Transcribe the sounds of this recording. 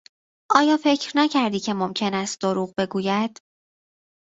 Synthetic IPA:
ʔɒːjɒːfe̞cʰɾnæcʰæɾd̪iːcʰe̞momcʰe̞næst̪̚d̪oɾuːɣbe̞ɡuːjæd̪̥

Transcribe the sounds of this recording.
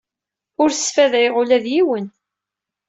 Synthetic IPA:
ʊɾ̥sfæðæjʁʊlæðjiwən

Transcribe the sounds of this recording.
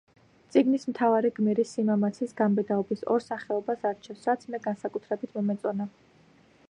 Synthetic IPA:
t̪sʼiɡnismt̪ʰavaɾiɡmɛɾisimamat̪sʰisɡambɛd̪aɔbisɔ̰ɾsaχɛɔbasaɾt͡ʃʰɛfsɾat̪sʰmɛɡansakʼut̪ʰɾɛbit̪ʰmɔmɛt̪sʼɔna

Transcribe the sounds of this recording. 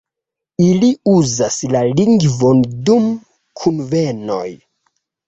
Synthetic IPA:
iliuzaslaliŋɡvondum | kʰunveno̞̰j

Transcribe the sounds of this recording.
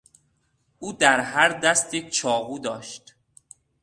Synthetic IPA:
ʔuːd̪æɾɦæɾd̪æst̪it͡ʃʰɒːvuːd̪ɒːʃt̪

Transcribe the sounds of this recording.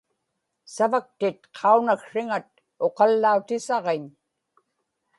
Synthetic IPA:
savak̚t̪ɪt̪̚qʰɑunakʂɪŋat̪̚ | o̞qɑlːaut̪ɪsɑʁeɲ

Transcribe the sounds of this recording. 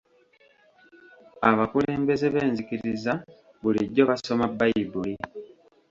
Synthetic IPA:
aβakule̞ːmbe̞zeβe̞ːnzikiɾiza | βuliɟɟo̞βaso̞mabajibuli

